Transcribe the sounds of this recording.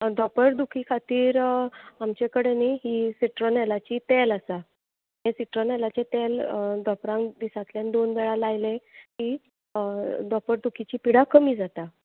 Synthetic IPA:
d̪ɔpəɾd̪ukʰikʰat̪iːɾamt͡ɕekəɽeneɦiːsiʈɾonɛlat͡ɕit̪eləsa | ɦẽsiʈɾonɛlat͡ɕet̪eld̪ɔpɾãŋd̪isãt̪ljand̪onʋɛɭalajleki | d̪ɔpəɾd̪ukʰit͡ɕiːpiɽakəmiːd͡zat̪a

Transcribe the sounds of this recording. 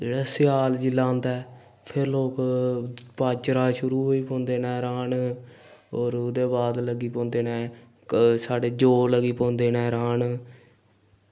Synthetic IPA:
d͡ʒeːɽaːsɪjaːld͡ʒiːlãːnd̪ɛː | pʰɪɾloːk | paːt͡ʃɾaːʃʊɾuːɦoːiːpõːnd̪eːnɛːɾaːn | ɔːɾʊd̪eːbaːd̪ləɡiːpõːnd̪eːnɛ̃ː | saːɖeːd͡ʒoːləɡiːpõːnd̪eːnɛːɾaːn

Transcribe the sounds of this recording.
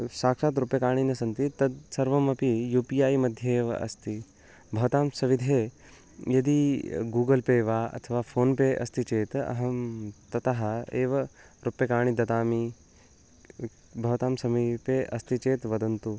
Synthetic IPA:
saːkʂaːt̪ɾupjɐkaːɳ̃inɐsɐnt̪it̪ɐd̪sɐɾʋɐmɐpijuːpijaːjmɐd̪ʱjɐeːʋɐ̰ʔɐ̰st̪i | bʱɐʋt̪aːmsɐʋid̪ʱeː | jɐd̪iɡuːɡɐlpeːʋaːɐ̰t̪ʰɐʋaːfʰoːnpeʔɐ̰st̪ʰit͡ʃeːt̪ɐ̰ɦɐmt̪ɐt̪aɦɐeːʋɐɾupːjɐkaːɳ̃id̪ɐt̪aːmi | bʱɐʋɐt̪aːmsɐmipeʔɐst̪ʰit͡ʃeːt̪ʋɐd̪ɐnt̪u

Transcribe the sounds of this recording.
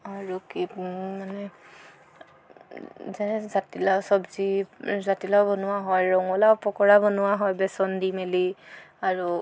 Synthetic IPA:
aɹukimanɛ | zɛnɛzatilasɔbzizatilawbɔnʊwaɦɔjɹɔŋɔlapɔkɔɹabɔnʊwaɦɔjbɛsɔndimeli | aɹu

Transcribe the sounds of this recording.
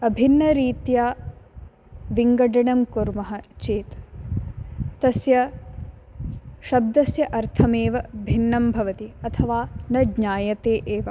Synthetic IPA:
ɐbʱinːɐɾiːt̪jaː | ʋiŋɡɐɖɐɳɐmkuɾmɐɦɐt͡ʃeːt̪ | t̪ɐsjɐ | ʃɐb̚d̪ɐsjɐʔɐɾt̪ʰɐmeːʋɐbʱinːɐmbʱɐʋɐt̪iɐt̪ʰɐʋaːnɐdɲaːjɐt̪eːʔeːʋɐ

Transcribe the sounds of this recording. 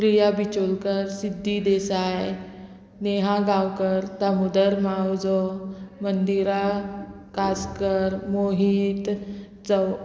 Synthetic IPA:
pɾijabit͡ɕolkəɾsid̪ʱːid̪esaj | neɦãɡãwkəɾt̪amud̪əɾmawd͡zɔmənd̪iɾa | kaskəɾmoɦit̪ | d͡zəw

